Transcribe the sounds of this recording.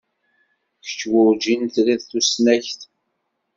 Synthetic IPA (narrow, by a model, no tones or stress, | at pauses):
çə̥t͡ʃːwʊɾd͡ʒint̪liðθusnæçθ